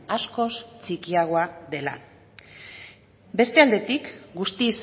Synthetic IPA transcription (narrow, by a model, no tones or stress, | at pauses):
asko̞st͡ʃikiaɣ̞o̞aðe̞la̰ | be̞st̪e̞ald̪e̞t̪ikɡust̪iːs